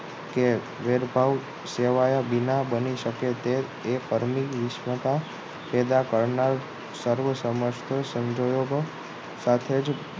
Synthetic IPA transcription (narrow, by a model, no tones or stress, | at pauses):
ke | ʋeɾbʱaʋ | seʋajabinabəniʃəket̪eː | fəɾmiʋɪʃmət̪a | pɛd̪akəɾnaɾ | səɾʋəsəməʃt̪ʰəsə̃ɲd͡ʒojoɡ | sat̪ʰed͡ʒ